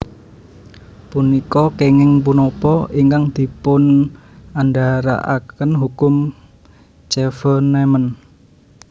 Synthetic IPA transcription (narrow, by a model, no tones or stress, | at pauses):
punikɔkeŋɪŋp̬unɔpɔiŋkaŋd̪̥i̤pʊn | andaɾa̰ʔa̰kənɦukʊm | t͡ʃɛfənɛmən